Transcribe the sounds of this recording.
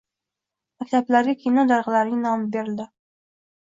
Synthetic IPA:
makʲt̪ʰablaɾɡʲakʲʰejnɒd̪aɾʁɨlaɾnɪŋnɒmɪbeɾɪld̪ɪ

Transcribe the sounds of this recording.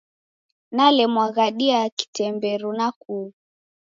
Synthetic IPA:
nalɛmwaɣaɗiaki̥tɛmbɛɾunakuː

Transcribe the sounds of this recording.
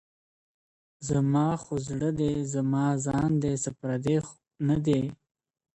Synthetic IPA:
zamɑxozɽəd̪ezamɑːzɑːnd̪esapɾad̪ex | nad̪e

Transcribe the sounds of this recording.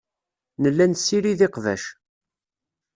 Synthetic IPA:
nəlːænsːiɾiðɪqvæ̰ʃ

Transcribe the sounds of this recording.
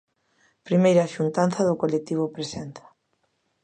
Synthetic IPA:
pɾimejɾɐʃunt̪anθɐðʊkolek̚t̪iβ̞ʊpɾesɛnθḁ

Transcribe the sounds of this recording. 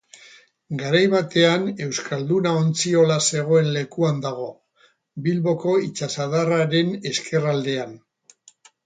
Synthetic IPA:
ɡaɾajβat̪e̞ane̞wskʰald̪unao̞nt͡sio̞lase̞ɣo̞e̞nle̞kuand̪aɣ̞o̞ | bilβo̞ko̞it͡ʃasaðaraɾe̞ne̞ske̞rald̪e̞an

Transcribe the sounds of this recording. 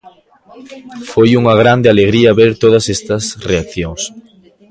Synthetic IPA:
fojuŋɐɣ̞ɾand̪ɪaleɣɾiɐβeɾt̪oð̞ɐsɛst̪ɐsreak̚θjoŋs

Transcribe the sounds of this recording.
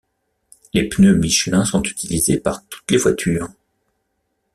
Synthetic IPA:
lepnømiʃlɛ̃sɔ̃t̪y̥t̪ʰilizepaʁt̪u̥t̪levwat̪ʰyːʁ

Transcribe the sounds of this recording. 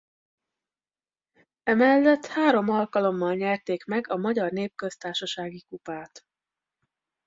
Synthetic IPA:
ɛmɛlːɛt̪haːɾo̞mɒlkɒlo̞mːɒlɲɛrt̪eːkmɛɡɒmɒɟɒrneːp̚kø̞st̪aːrʃɒʃaːɡikupaːt̪

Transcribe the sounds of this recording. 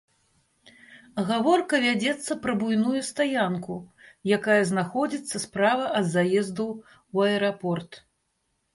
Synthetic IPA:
ɣavɔrkɐvʲad͡zʲɛt̪sːɐpɾɐbujnujust̪ajankujakajɐznaxɔd͡zʲit̪sːɐspɾavɐʔɐd̪zajɛzd̪u | wɐɛɾapɔrt̪

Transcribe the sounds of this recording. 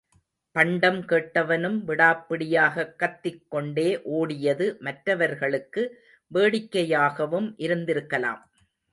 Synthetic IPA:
pɐɳɖɐmkeːʈːɐʋɐnɯmʋɪɽaːpːɪɽɪjaːɣɐkːɐt̪ːɪkːɔɳɖeːʔoːɽɪjɐðɯmɐʈɾɐʋɐɾɣɐɭɯkːɯ | ʋeːɽɪkːɐjaːɣɐʋɯmʔɪɾɯnd̪ɪɾɯkːɐla̰ːm

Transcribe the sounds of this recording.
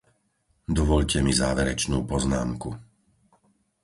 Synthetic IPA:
d̪ɔʋɔʎcɛmizaːʋɛɾɛt͡ʃnuːpɔznaːmku

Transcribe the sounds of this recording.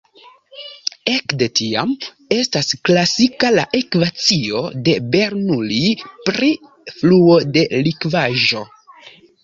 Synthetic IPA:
e̞kde̞tia̰m | e̞stasklasikalaʔekvat͡sio̞de̞be̞ɾnulipɾi | fluo̞de̞likvaʒo̞

